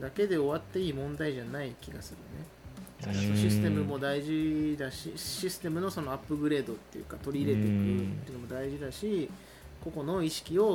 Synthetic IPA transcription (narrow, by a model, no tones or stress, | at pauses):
d̪ake̞d̪e̞o̞βat̪ːe̞iːmõ̞nd̪aiʑanaikʲiɡasɨɾɯne̞ | sonoɕisɨ̥t̪e̞mɯ̟mo̞d̪aiʑid̪aɕḭɕisɨ̥t̪e̞mɯ̟no̞so̞no̞apːɯ̟ɡɯ̟ɾe̞ːd̪o̞t̪ːe̞̰jɯ̰kat̪o̞ɾʲiːɾe̞t̪e̞kɯ̟t̪ːejɯnomo̞d̪aiʑid̪aɕi | ko̞ko̞no̞iɕi̥kʲio̞